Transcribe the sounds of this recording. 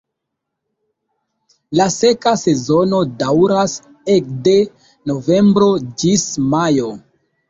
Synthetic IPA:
lase̞kase̞zo̞no̞dawɾas | ekde | no̞ve̞mbɾo̞d͡ʒismajo̞

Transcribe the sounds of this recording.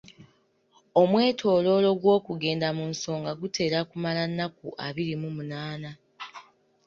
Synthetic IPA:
omwe̞ːtʰo̞ːlo̞lo̞ɡwo̞ːkuɡe̞ːndamunso̞ːŋɡaɡute̞ːɾakumalanːakuʔaβiɾimumunaːna

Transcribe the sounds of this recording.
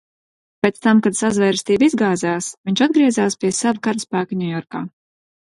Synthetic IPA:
pʲeːt̪st̪amkad̪sazvɛjɾst̪iːbizɡaːzaːsvʲiɲʲt͡ʃad̪̚ɡɾiɛzaːspʲiɛsavukaɾspæːkɲʲujɔɾkaː

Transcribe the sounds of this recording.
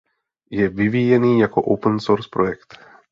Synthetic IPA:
jɛvɪviːjɛniːjako̞ʔowpənsoɾspɾo̞jɛkt̪

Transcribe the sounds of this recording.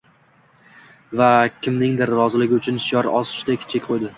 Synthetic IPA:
vakʲʰɪmnɪŋd̪ɪɾːɒzɪlɪɡʲɪʊt͡ʃʰʊnʃjɒɾɒsɪ̥ʃd̪ekʲʰt͡ʃʰekʲqʰojd̪ɪ

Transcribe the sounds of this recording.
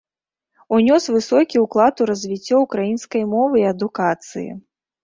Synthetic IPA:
unʲɔsvɨsɔkʲiuklˠat̪uɾɐzʲvʲit͡sʲːɔukɾajinskɐjmɔvɨiɐd̪ukat̪sɨjḭ

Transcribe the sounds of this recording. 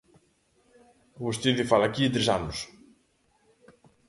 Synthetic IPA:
ɣust̪iðifalakit̪ɾesanʊs

